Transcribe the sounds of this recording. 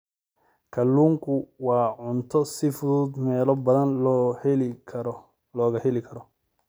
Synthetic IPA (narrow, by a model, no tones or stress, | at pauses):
kʰɐlːuːŋkʰʊwɑːʕʊnt̪ʰɔsɪfʊðuːd̪mɛːlɔbɐðɐn | ɐ | lɔːɣɐhɛlɪkʰɐɾɔ